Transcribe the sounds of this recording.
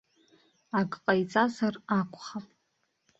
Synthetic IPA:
akʼqʼajt͡sʼazarakʷʰʼχapʼ

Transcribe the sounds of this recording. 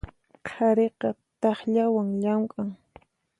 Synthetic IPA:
qʰɑɾeqɑt̪ɑχʎawaŋʎamkʼaŋ

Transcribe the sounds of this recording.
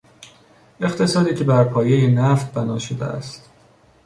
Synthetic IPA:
e̞χt̪ʰe̞sɒːd̪iːcʰe̞bæɾpʰɒːje̞jenæft̪̚bænɒːʃod̪ḛæ̰st̪

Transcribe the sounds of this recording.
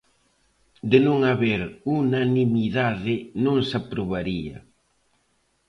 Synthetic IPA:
d̪ɪnõŋaβeɾunanimiðaðɪnõŋsapɾoβaɾiɐ̰

